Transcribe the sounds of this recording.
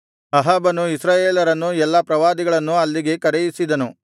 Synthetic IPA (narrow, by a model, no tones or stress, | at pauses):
ɐɦaːbɐnuisɾaːjeːlɐɾɐnːuɛlːɐpɾɐʋaːd̪iɡɐɭɐnːuɐlːiɡe̞kɐɾɛjisid̪ɐnu